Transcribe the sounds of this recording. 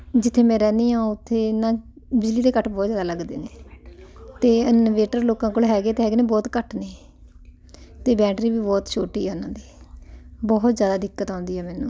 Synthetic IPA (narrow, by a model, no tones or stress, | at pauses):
d͡ʒɪt̪ʰːeːmɛ̃ːɾɛːniːɦãːʊt̪ʰːeːnãːbɪd͡ʒliːd̪eːkəʈʰbɔːt̪zjaːd̪aːləɡd̪ḛːneː | t̪eːənʋeːʈəɾloːkãːkoːlɦɛːɡeːt̪eːɦɛːɡeːnẽːbɔːt̪kəʈʰneː | t̪eːbɛ̃ːʈɾiːbiːbɔːt̪t͡ʃʰoːʈiːɦɛːʊnãːd̪iː | bɔːt̪zjaːd̪aːd̪ɪkːət̪ãːnd̪iːɦɛːmɛːnṵ̃ː